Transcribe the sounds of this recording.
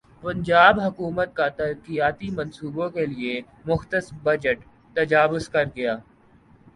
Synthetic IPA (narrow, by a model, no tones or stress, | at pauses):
pɐ̃ɲd͡ʒaːbɦɐkuːmət̪̚kat̪ɐɾkijaːt̪imɐ̃nsuːbõkelie | mʊxt̪əsbɐd͡ʒəʈ | t̪ɐd͡ʒaːwʊzkɐɾɡɐjaː